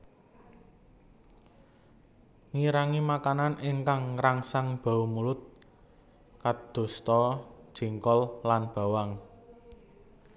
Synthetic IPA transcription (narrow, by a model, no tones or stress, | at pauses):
niɾaŋimakananʔɪŋkaŋraŋsaŋb̥a̤umulʊt̪̚ | kad̪̥o̤st̪ɔd̥ʒ̥i̤ŋkɔllanb̥a̤waŋ